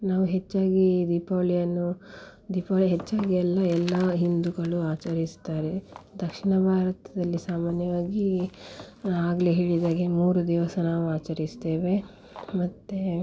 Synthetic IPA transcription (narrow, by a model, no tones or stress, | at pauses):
naːʋuɦet͡ʃːaːɡid̪ipoːlijɐnːu | d̪ipoːlɐɦet͡ʃːaːɡiɛlːɐɛlːɐɦind̪uɡɐɭuaːt͡ʃɐɾist̪aːɾed̪ɐkʂiɳɐbʱaːɾɐt̪ɐd̪ɐlːisaːmaːnjɐʋaːɡi | aːɡleɦeːɭid̪aːɡe̞muːɾud̪iʋɐsɐnaːʋuaːt͡ʃɐɾist̪e̞ːʋe̞ | mɐt̪ːe